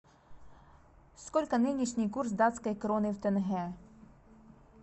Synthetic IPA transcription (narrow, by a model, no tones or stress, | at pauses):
skɔlʲkɐnɪnʲiʃnʲɪjkursd̪ɑt̪ʲsʲkɐjkɾɔnɪwt̪enɦɛ